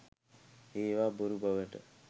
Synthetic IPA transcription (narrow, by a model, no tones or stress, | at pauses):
eːʋaːboɾubaʋeʈə̰